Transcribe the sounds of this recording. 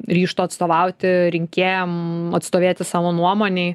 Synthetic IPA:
ɾʲiːʃt̪oːɐt̪st̪oːʋɐʊt̪ʲɪɾʲɪŋʲkʲeːjɛmɐt̪st̪oːʋʲeːt̪ʲɪsɑːʋoːnuɔmoːnʲeɪ

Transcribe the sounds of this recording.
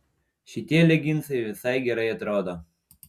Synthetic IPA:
ʃʲɪt̪ʲiɛlʲɛɡʲɪnt̪sɐɪʋʲɪsɐɪɡʲɛɾɐɪɐt̪ɾoːd̪oː

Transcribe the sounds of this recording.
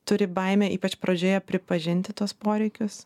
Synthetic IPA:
t̪ʊɾʲɪbɐɪmʲɛːʔiːpɐt͡ʃpɾɐd͡ʒʲoːjɛpʲɾʲɪpɐʒʲɪnʲt̪ʲɪt̪uɔspoːɾʲɛɪkʲʊs

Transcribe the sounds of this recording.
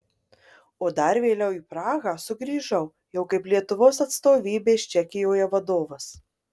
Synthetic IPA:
oːd̪ɐɾʋʲeːlʲɛʊiːpɾɑːɣɑsʊɡɾʲiːʒɐʊ | jɛʊkɐɪplʲiɛt̪ʊʋoːsɐt̪st̪oːʋʲiːbʲeːʃt͡ʃʲɛkʲɪjoːjɛʋɐd̪oːʋɐs

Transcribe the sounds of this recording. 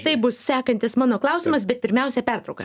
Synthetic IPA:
t̪ɐɪbʊssʲæːkɐnʲt̪ʲɪsmɑːnoːklˠɐʊsʲɪmɐsbʲɛt̪̚pʲɪɾʲmʲɛʊsʲɛpʲæɾt̪ɾɐʊkɐ

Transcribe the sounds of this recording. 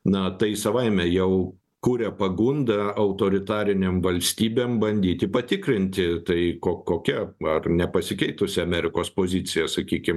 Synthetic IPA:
nɐt̪ɐɪsɐʋɐɪmʲɛjɛʊ | kuːɾʲɛpɐɡund̪ɐɐʊt̪oːɾʲɪt̪ɑːɾʲɪnʲemʋɐlʲsʲt̪ʲiːbʲeːmbɐnʲd̪ʲiːt̪ʲɪpɐt̪ʲɪkɾʲɪnʲt̪ʲɪt̪ɐɪkoːkoːkʲɛɐrnʲɛpɐsʲɪkʲɛɪt̪ʊsʲɪɐmʲæɾʲɪkoːspoːzʲɪt̪sʲɪjɛsɐkʲiːkʲɪm

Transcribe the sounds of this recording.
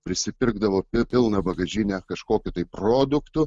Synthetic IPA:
pʲɾʲɪsʲɪpʲɪɾɡd̪ɐʋoːpʲɪpʲɪlˠnɐbɐɡɐʒʲɪnʲɛkɐʃkoːkʲʊt̪ɐɪproːd̪ʊkt̪ʊ

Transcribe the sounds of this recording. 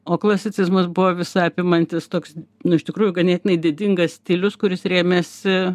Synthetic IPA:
oːklˠɐsʲɪt͡s̪ʲɪzmɐsbʊʋoːʋʲɪsɑːpʲɪmɐnʲt̪ʲɪst̪oːksnʊɪʃʲt̪ʲɪkɾuːjʊɡɐnʲeːt̪ʲɪnɐɪd̪ʲɪd̪ʲɪŋɡɐssʲt̪ʲilʲʊskʊɾʲɪsɾʲeːmʲɛsʲɪ

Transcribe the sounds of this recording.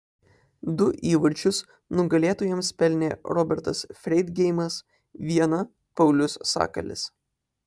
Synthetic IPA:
d̪ʊʔiːʋɐɾʲt͡ʃʲʊs | nʊɡɐlʲeːt̪oːjɛmspʲɛlʲnʲeːɾɔbʲɛɾt̪ɐsfʲɾʲɛɪd̪ɡʲɛɪmɐs | ʋʲiɛnɐ | pɐʊlʲʊssɑ̰ːkɐ̰lʲɪ̰s

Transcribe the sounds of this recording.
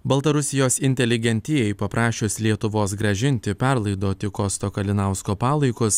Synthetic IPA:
bɐlˠt̪ɐɾʊsʲɪjoːsɪnʲt̪ʲɛlʲɪɡʲɛnʲt̪ʲɪjɛɪpɐpɾʔɑːʃʲʊslʲiɛt̪ʊʋoːsɡɾɐʒʲɪnʲt̪ʲɪpʲɛɾlˠɐɪd̪oːt̪ʲɪkoːst̪oːkɐlʲɪnɑʊskoːpɑːlˠɐɪkʊs

